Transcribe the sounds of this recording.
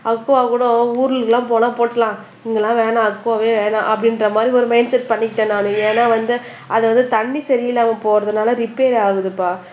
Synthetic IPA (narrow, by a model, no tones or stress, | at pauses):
ɐkːoaːkuːɽõuːɾɯɯkːɐlãːp̬oːlãːpoːʈːɐlãː | ɪŋɡɐɛlːãːʋeːɳãːɐkːoaʋeːʋeːɳã̰ːʔɐpːɐɽɪnrɾɐmaːd̪ɾiɔɾɯmɐɪnsɛʈ̚pɐɳːɪkɪʈːẽːnaːnɯ̃eːnaːʋɐnd̪ɯ | ɐðɯʋɐnd̪ɯt̪ɐɳːisɐɾɪjɪlːaːmɐpoːɾɐðɯnaːlɐɾɪpeːɾaːɣɯðɯpːaː